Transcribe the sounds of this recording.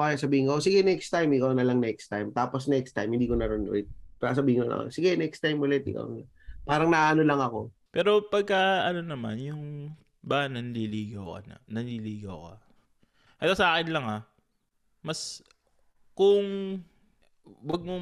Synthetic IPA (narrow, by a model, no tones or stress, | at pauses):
ʔoʔajasɐbiːhɪnkoʔos̬ɪɡɛnɛkst̪ajmɪkawnɐlaŋnɛkst̪ajmt̪aːposnɛkst̪ajmhɪnd̪iːkonɐɾonʊɛ̰t̪̚pɾasɐbiːhɪnkonɐ̰sɪɡɛnɛkst̪ajmʊlɛt̪̚ɪ̰ka̰wnɐlaŋpaːɾɐŋnɐʔaːʔɐnolɐŋɐko̞ | pɛːɾo̞pɐɡ̚kaʔɐnonɐma̰njʊŋ | banɐnliliːɡɐwkɐ̰nɐ̰nɐnliliːɡɐ̰wkɐ̰ | ʔɐt̪asɐaːkɪnlɐŋa | mɐs | kʊŋ | wɐɡ̚mo